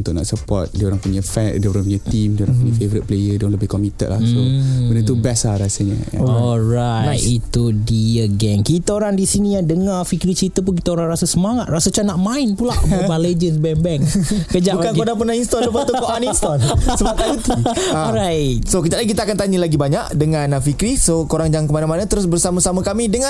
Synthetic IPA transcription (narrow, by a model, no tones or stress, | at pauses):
unt̪ʊʔ̚na̰ʔsəpɔ̰t̪̚dioɾaŋpuɲafɛndəoɾaŋpuɲat̪imdiəoɾãŋpuɲafevəɾit̪̚pəlejədiɾaŋləbɪhkɔmit̪ə̰t̪̚la̰hsoəndət̪ubɛslaɾasəɲə̰ja̰ɔɾajt̪it̪udiəɡɛŋkit̪aoɾaŋdisinijaŋdəŋafikɾit͡ʃəɾit̪əp̬unk̬it̪aoɾaŋɾasasəmaŋat̪̚rasat͡ʃanaʔmaɪnpulaʔbəbaled͡ʒəsbɛŋbɛŋkəd͡ʒaʔbukankodaŋpərnainst̪ɔdəpat̪ukoanist̪ɔsəbap̪̚ajut̪uaɾajsokəd͡ʒaʔlaikit̪aːkant̪aɲəlaɡibaɲaʔdəŋãnafikɾisokoɾaŋd͡ʒaŋkəmanamanat̪əɾʊsbərsamasamakamidəŋa